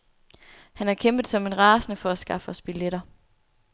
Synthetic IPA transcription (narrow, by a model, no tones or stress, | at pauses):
hænæɐkʰemb̥ð̩ˠsɒ̽me̝nʁɑ̈ːsnəfɒ̽æsɡ̥ɑ̈fɒsb̥ileɾ̥ɐ